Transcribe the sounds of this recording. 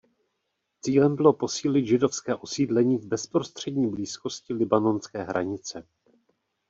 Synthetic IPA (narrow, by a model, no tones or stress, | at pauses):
t͡siːlɛmbɪlo̞po̞siːlɪt̪ʒɪdo̞fskɛːʔo̞siːdlɛɲiːvbɛspɾo̞st̪r̝̥ɛdɲiːbliːsko̞scɪlɪbano̞nskɛːɦɾʔa̰ɲɪt͡sɛ